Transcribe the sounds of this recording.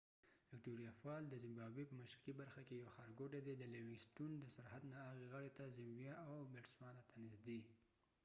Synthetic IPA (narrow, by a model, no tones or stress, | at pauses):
vɪkʈoɾijɑfɑld̪əzɪmbɑbepəmaʃkibaɾxakejawaxɑɾɡoʈed̪ed̪əlewɪɡsʈund̪əsaɾhad̪naːɣeɣəɽet̪azɪmbjaawbɪʈswɑnat̪ʰanɪzd̪e